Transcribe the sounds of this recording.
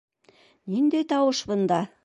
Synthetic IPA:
nind̪ejt̪ɑwɤʃbɤ̆nd̪ɑ

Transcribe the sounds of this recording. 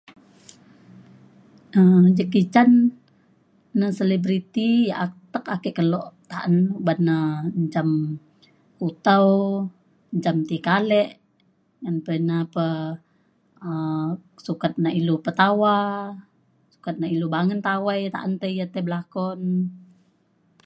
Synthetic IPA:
əd͡ʒəkit͡ʃan | əselibɾit̪ijaʔat̪əkakɛʔkəloʔt̪aʔənubanːəɲd͡ʒam | kut̪aw | ɲd͡ʒamt̪ikalɛʔ | ŋanpənapə | əsukat̪̚nailupət̪awa | su̥kat̪̚nailubaŋənt̪awajt̪a̰ʔənt̪əijat̪eblakɔn

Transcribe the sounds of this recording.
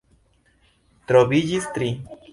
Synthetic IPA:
t̪ɾoβiʎist̪ɾi

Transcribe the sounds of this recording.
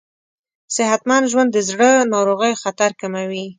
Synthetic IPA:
sɪɦat̪manʒwand̪ːəzɽənɑwɾoɣəjoxat̪aɾkamawi

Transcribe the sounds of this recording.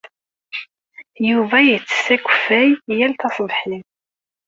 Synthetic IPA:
juvæjət͡sːə̥sːækʷːəfæjjælt̪ɑsˤðħim

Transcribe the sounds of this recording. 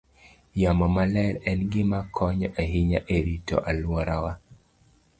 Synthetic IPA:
jamɔmalɛɾɛnɡɪmakʰɔɲɔʔeɦiɲaʔeɾitɔ̰ʔalwɔɾawa

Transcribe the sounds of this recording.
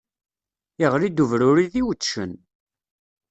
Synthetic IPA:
iʁɾid̪uvɾʊɾiðiwt͡sːʃə̰n

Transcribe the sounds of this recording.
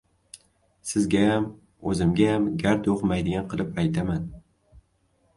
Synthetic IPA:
sɪzɡʲajam | ɵzɪmɡʲajamɡʲaɾt̪oqmajd̪ɪɡʲanqɨlˠɪpajt̪ʰaman

